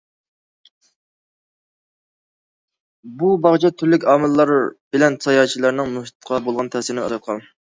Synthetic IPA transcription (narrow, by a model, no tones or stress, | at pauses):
bubɑʁt͡ʃʰɛt̪ʰyɾlɪkʲɑːmɨlˠːɑɾb̥ɪlɛnsʰɑjɑːt͡ʃʰilˠɑɾnɨŋmuʃt̪t̪qʰɑbolˠʁɑnt̪ʰɛsɪnɪɑ̰d̪ɑt̪̚qʰɑn